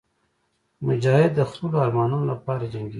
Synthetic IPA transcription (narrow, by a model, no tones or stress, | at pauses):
mʊd͡ʒɑːhɪd̪ːəxulaːɾmɑːnunolapɑːɾad͡ʒaŋɡi